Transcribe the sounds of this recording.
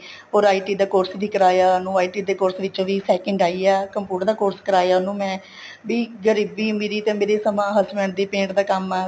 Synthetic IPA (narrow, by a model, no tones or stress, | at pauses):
ɦoːɾaːiːʈiːd̪aːkoːɾsʋiːkəɾaːjaːnũːaːiːʈiːd̪eːkoːɾsʋɪt͡ʃõːʋiːsɛːkəɳɖaːiːaːkəmpuːʈəɾd̪aːkoːɾskəɾaːjaːnũːmɛ̃ː | ʋiːɡəɾiːbiːmeːɾiːt̪ẽːmeːɾeːsəmãːɦəsmɛ̃ːɳd̪iːpẽːɳʈd̪aːkəmaː